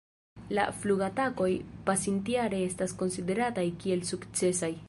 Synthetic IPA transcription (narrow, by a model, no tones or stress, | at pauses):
la̰fluɡatako̞jpasintiaɾe̞e̞stasko̞nside̞ɾatajkie̞lsukt͡se̞saj